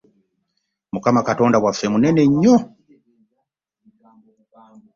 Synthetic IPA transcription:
mukamakato̞ːndawafːe̞mune̞ne̞ɲːo

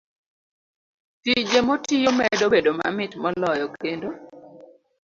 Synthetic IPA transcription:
tid͡ʒemotijomɛdobedoma̰mɪtmɔlɔjɔkendo

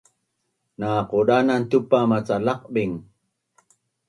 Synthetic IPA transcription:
naquɗanant̪upamat͡salaq̚ɓiŋ

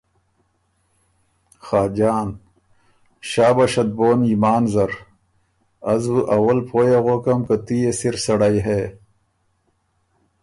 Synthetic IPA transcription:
xaːd͡ʑaːn | ɕaːbɐɕɐd̪̚boːnimaːnzɐɾ | ɐzbuʔɐwɐlpʰoːjaɣoːkɐmkɐt̪ijesiɾsɐɽajɦe

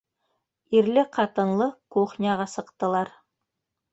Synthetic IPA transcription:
iɾlɪqʰɑt̪ɤ̆nlˠɤkoχnʲɑʁɑsɤ̆qt̪ɤ̆lˠɑɾ

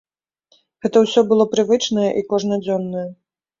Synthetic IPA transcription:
ɣɛt̪ɐwsʲɔbɨlˠɔpɾɨvɨt͡ʂnɐjɐʔikɔʐnɐd͡zʲɔnːɐjɐ

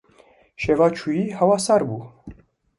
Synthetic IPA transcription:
ʃɛvat͡ʃʰuihawasaɾbu

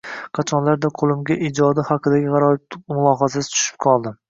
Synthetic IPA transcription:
qʰɑt͡ʃʰɒnlaɾd̪aqʰolˠɪmɡʲaʔid͡ʒɒd̪ɪhɑqʰɨd̪aɡʲɪʁɑɾɒmʊlˠɒɦasasɪ̥t̪ʰʊ̥ʃɪ̥p̚qʰɒlˠd̪ɪ

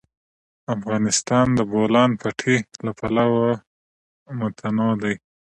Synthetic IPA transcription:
afɣɑnɪst̪ɑnd̪əbolɑnpʰaʈʰelapalawa | mʊt̪ʰanɑd̪aj

